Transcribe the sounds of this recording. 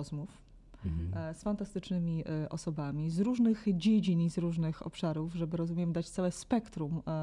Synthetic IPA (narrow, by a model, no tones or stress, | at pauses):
ɔzmuf | sfant̪ast̪ɘt͡ʂnɘmʲiʔɔsɔbamʲizɾuʐnɘɣd͡ʑed͡ʑinizɾuʐnɘxɔ̰pʂaɾuvʐɛbɘɾɔzumʲjɛmd̪at͡ɕt̪sawɛspɛkt̪ɾum